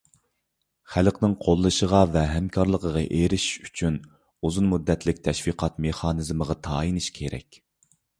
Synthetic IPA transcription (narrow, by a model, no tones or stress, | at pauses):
χælqnɪŋqʰolˠːɨʃəʁɑvɛɦɛmkʰɑɾlˠəqʰəʁɑʔeɾɪʃyt͡ʃʰyn | uzunmud̪ːɛt̪lɪk̚ʲt̪ʰɛʃfiqʰɑt̪meχɑːnɨzməʁɑt̪ʰɑːinɨʃkʲʰeɾɛ̰kʲ